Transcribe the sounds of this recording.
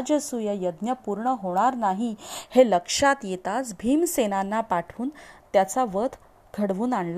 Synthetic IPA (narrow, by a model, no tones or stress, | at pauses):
d͡ʑəsujəjəd̪njəpuɾɳəɦoɽ̃aɾnaɦiheləkʂat̪jet̪asbʱiːmsenanːapaʈʰʋuːnt̪jat͡saʋət̪ʰ | ɡʱəɽʋuːnaɳl